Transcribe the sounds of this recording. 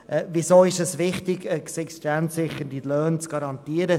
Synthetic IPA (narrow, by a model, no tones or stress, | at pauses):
ʔɛvisoːɪʃɛsvɪχtɪɡəksɛkstansɪχːəndilœːnt͡sɡ̥ɑɾɑnt̪iːəɾə